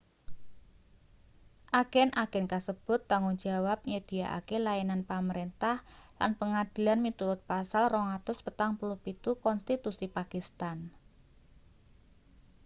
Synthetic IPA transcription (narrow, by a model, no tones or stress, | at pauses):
ʔaɡ̥ɛnʔaɡ̥ɛnkasəb̥ʊ̤t̪ːaŋʊŋd͡ʒawap̚ɲəd̪̥i̤jaʔa̰kelajananpaməɾent̪ahla̰npəŋad̥i̤lanmit̪uɾʊt̪̚pasalrɔŋat̪ʊspət̪aŋpulupit̪ukɔnst̪it̪usipakist̪an